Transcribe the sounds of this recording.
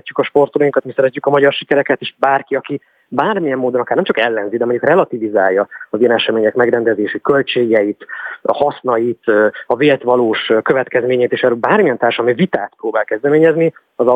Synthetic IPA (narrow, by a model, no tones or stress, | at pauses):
cːykɒʃpo̞rt̪olojiŋkɒt̪misɛɾɛcːykɒmɒɟɒrʃikɛɾɛkɛt̪eʃbaːrkiɒki | baːrmijɛmːoːd̪oɒkarnɛmt͡ʃɒkɛlːɛnzid̪ɛmoɲɟukrɛlɒt̪iviza̰ːljːɒɒziɛnɛʃɛmeːɲɛkmɛɡɾɛnd̪ɛzeːʃikø̞lt͡ʃeːɡɛjit̪hɒsnɒjit̪ːɒveːlt̪ʋɒloːʃkø̞vɛt̪kɛzmeːɲɛjt̪eːʃɛɾøbaːrmiɛnt̪aːrʃmivit̪aːt̪proːbaːlkɛzd̪ɛmeːɲɛzni | ɒzɒ